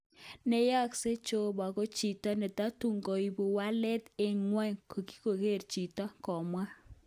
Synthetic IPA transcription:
nɛ˨ja˦kse˦t͡ʃo˦ba˨ko˦t͡ʃi˨ta˦nɛ˨ta˦tu˦ŋɡɔ˨i˨bu˨wa˦lɛ˦t̪ɪ˨ŋwɛ˦ŋkʰo˨ki̥˦ko˨ke˦˨rt͡ʃi˨ta˦kɔ˨mwa˦

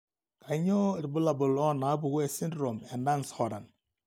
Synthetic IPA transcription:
ka˨˦ɲɔ˦˨ɾi˨bu˦la˨bu˨lɔ˦na˨˦bu˨ɡu˦e˦˨si˦ndɾo˨mɛ˨nda˦nshɔ˨ɾa˨n

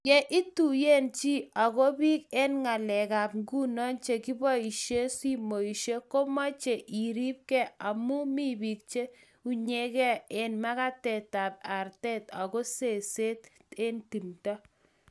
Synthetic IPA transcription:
jɛ˦˨ʔi˦tu˨je˦nt͡ʃi˦a˨ko˦bi˦ke˦nŋa˨lɛ˨ka˨pŋɡu˦nɔ˦nt͡ʃe˨ki˦bɔ˦i˨ʃe˦si˦mo˨i˨ʃe˦ko˦ma˦t͡ʃe˨ʔi˨ɾi˦p̚kɛ˦a˨mu˦mi˦bi˨k̚t͡ʃe˦ | u˦ɲe˦kɛ˦e˨nma˦ka˦tɛ˨ta˨p̚a˨rtɛ˦ta˨ko˦se˨se˦te˦nti˨mtɔ˦

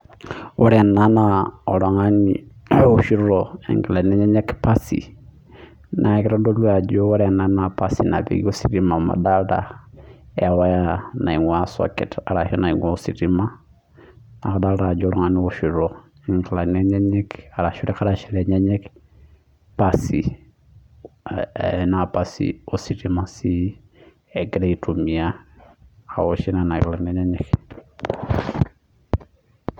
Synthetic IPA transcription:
wɔ˦ɾɛ˨nːa˦na˦ɔ˨ɾɔ˨ŋa˦nḭ˨u˨ʃi˦ɾo˨ḭ˨ŋki˨la˨nɛ˦ɲɛ˦ɲɛ˦kpa˦sḭ˨ | nʔa˨˦ki˦ɾa˦do˦lu˦a˨d͡ʒo˦wo˦ɾɛ˨na˦na˨pa˦si˨na̰˨bḭ˦ɡi˦o˦si˨ɾi˦ma˨ma̰˨da˦lda̰˨ | ɛ˨wa˦ja˦na˨i˨ŋwa˦sɔ̰˨kɛ̰˨ta˨ɾa˨hi˦na˨i˨ŋo˦si˨ɾi˦ma˦ | a˨ka˨da˦ɾa˨d͡ʒɔɾɔ˦ŋa˨ni˦ɔʃi˨ɾɔ | ŋ˨kla˨nɛɲɛ˦ɲɛ˦ka˨ɾa˨ʃi˦ɾɛ˦ka˦ɾaʃiɾɛɲɛ˦ɲɛ˦k | pasi | napasḭosi˨ɾimasi˦ | ɛɡɛɾa˦itʰumi˨a̰ː | ɔʃi˦nana˨kla˨nɛ˦ɲɛ˦ɲɛk

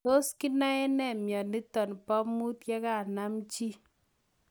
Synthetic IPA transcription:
to˦ski˦na˦ɛ˦nɛ˨mjɔ˨ni˦tɔ˨npɔ˦mu˦tkɛ˦ka˦˨na˦mt͡ʃi˦

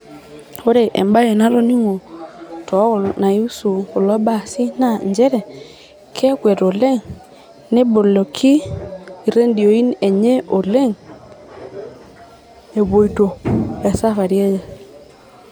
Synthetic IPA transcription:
o˦ɾe˨ʔḛ˨mba˦je˨na˦lo˦ni˦ŋo˨tɔ˨˦˨na˨ju˦su˨ko˨lɔ˦ba˨si˦na˦˨ɲd͡ʒɛ˦ɾɛ˨ | kʰɛ˦kwɛ˨to˨le˦˨ŋ | ne˦bo˨lo˨kʰi˦˨ | ɾe˦ndi˨o˨i˦ne˨ɲe˦ʔo˨le˦ŋ | e˨βo˨i˨to˨a˨sa˦fa˨ɾje˦je˨

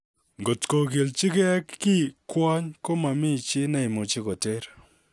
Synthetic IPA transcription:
ŋɡo˨tko˨ke˨lt͡ʃɪ˦ke˦ɛ˦kːɪ˦kwɔ˦ɲko˦ma˨mɪ˦˨t͡ʃɪ˦nɛ˦i˨mo˨t͡ʃi˦ko˨te˦ɾ

